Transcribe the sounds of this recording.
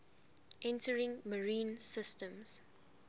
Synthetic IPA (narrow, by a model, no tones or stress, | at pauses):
ʔɛ̃ntʰəɹɪ̃ŋməɹĩːnsɪstə̃mz̥